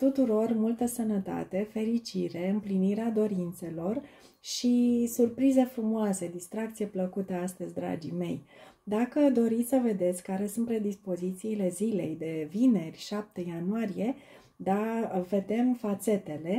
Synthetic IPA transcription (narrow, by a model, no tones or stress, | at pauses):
t̪ut̪uɾo̞rmult̪əsənət̪a̰t̪e̞fe̞ɾit͡ʃiɾe̞ɨmpliniɾead̪o̞ɾint̪se̞lo̞r | ʃisurpɾize̞fɾumuoase̞d̪ist̪ɾak̚t̪sije̞pləkut̪əast̪əzʲd̪ɾa̰d͡ʒime̞̰jd̪akəd̪o̞ɾit̪sʲsəve̞d̪e̞t̪sʲkaɾe̞sunt̪̚pɾe̞d̪ispo̞zit̪siːle̞zile̞jd̪e̞vine̞rʲʃap̚t̪ejanuaɾije̞ | d̪ave̞d̪e̞mfat̪se̞t̪e̞le̞